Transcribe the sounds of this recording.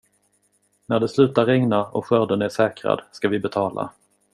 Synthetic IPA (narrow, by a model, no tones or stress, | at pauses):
næɖɛslʉ̟ːt̪aɾɛŋnaɔ̰ɧœɖənæʂɛːkɾa̰d̪skavɪbɛt̪ʰɑːla̰